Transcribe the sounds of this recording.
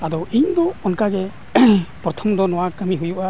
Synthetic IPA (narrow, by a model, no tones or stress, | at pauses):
adɔʔiŋd̪ɔɔnkaɡɛ | pɾɔt̪ʰɔmd̪ɔnɔwakamiɦujuʔa